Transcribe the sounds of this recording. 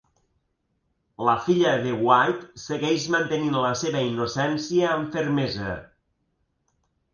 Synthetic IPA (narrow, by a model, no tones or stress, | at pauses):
ləfiʎəðewajt̪seɣɛʃmənt̪eninləseβəinosɛnsiəːɱfeɾmezə̰